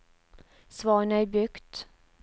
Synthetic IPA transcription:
svɑːɳəæbʏkt̪

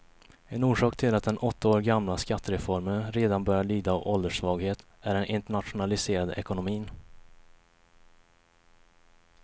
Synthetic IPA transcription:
ɛnuːʂɑːkt̪ʰɪlat̪̚d̪ɛnʔɔt̪ʰːaoːɾɡamlaskat̪ːəɾɛfɔɾmənɾeːd̪anbœɾjaɭyːd̪aɔʔɔld̪əʂvɑːɡheːt̪ | æɾɛnʔɪnt̪əɳat̪ɧʊnalɪseːɾad̪ɛ̰kʊnʊmiːn

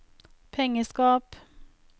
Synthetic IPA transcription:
pʰɛŋəskɑːp

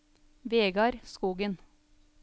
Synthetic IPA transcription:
ʋeːɡɑɾskuːɡən

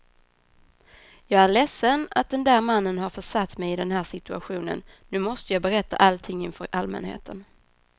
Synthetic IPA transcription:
jɑːɡæɾɭɛsːənat̪̚d̪ɛnd̪æːɾmanːənɦaɾfœʂat̪ːmɛjɪd̪ɛnɦæːʂɪt̪ɵa̰ɧuːnə̰nːʉ̟ːmɔst̪əjɑːɡbɛɾɛt̪ːa̰ʔalt̪ʰɪŋːɪnfœɾʔalmɛ̰nhḛːt̪ʰən

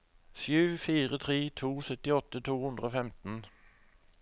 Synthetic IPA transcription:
sjʉːfiːʁət̪ʰʁeːt̪ʰuːsœt̪ɪɔt̪ːət̪ʰuːhʉnd̪ʁəoːfɛmt̪n̩

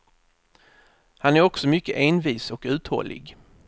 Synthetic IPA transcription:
hanæɾɔksɔmʏkːəʔeːnviːsɔkʉ̟ːt̪hɔ̰lːɪ̰ɡ

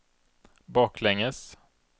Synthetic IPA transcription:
bɑːklɛŋːəs

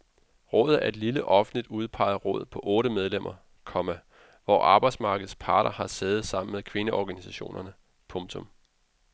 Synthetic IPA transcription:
ʁɔ̽ːð̞̩ˠæɐe̝d̥liləʔɒ̽fn̩lid̥uð̞ˠpʰɑ̈ɪ̰ɐʁɔ̽ːð̰ˠpʰɒ̽ʔɔ̽ːɾəmeð̞ˠlem̰ʔɐ | kʰɒ̽mæ | ʋɒ̰ʔɑ̈ːb̥ɑ̈ɪ̥smɑ̈ːɡ̥əð̩ˠspʰɑ̈ːɾ̥ɐhɑ̈seːðð̩ˠsɑ̈m̰n̩mekʰʋe̝nəʔɒɡ̥ænisæɕo̝̰ːnʔɐnə | pʰɔ̽mt͡sʰɔ̽m

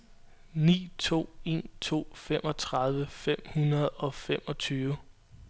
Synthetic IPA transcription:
nḭːt͡sʰo̝̰ːe̝̰ːnt͡sʰo̝̰ːfem̰ɒ̽t͡sʰʁɑ̈ð̞ˠʋəfem̰hunɐð̞ˠɒ̽fem̰ɒ̽t͡sʰyːʋə

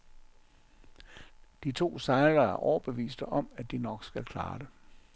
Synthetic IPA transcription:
d̥it͡sʰo̝̰ːsɑ̈ɪlɐæɐʔɒʊɐb̥e̝ʋḭːsd̥əʔɒ̽mæd̥inɒ̽ɡ̥sɡ̥ælkʰlɑ̰̈ːd̥e

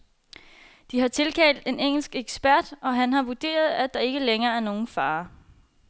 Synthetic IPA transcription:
d̥iɦɑ̈t͡sʰe̝lkʰɛ̰ːld̥e̝neŋ̰l̩sɡ̥eɡ̥sb̥æɐd̥ɒ̽ɦænɦɑ̈ʋud̥e̝̰ːɐð̞ˠæd̥ɑ̈e̝ɡ̥əleŋɐːæɐno̝ːn̩fɑ̈ː

